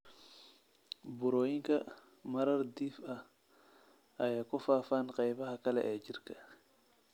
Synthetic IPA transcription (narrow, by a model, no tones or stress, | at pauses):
bʊɾɔːjɪŋkʰɐ | mɐɾɐrd̪iːfɐh | ʔɐjaːkʊfaːfaːnqɑjβɐɦɐkʰɐlɛ̰ʔɛːd͡ʒɪrkʰɐ̥